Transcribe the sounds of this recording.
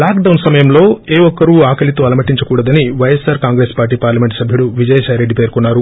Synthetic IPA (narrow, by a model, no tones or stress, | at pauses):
laːkɖɐwnsɐmɐjɐmlo̞ːeːɔkːɐɾuːaːkɐlit̪oːɐlɐmɐʈiɲt͡ʃɐkuːɽɐd̪ɐniʋɐjesaːɾkaːŋɡɾeːspaːɾʈ̬iːpaːɾlɐme̞ɳʈsɐbʱjuɽuʋid͡ʒɐjɐʃɐːjɾeɖːipe̞ːɾkunːaːɾu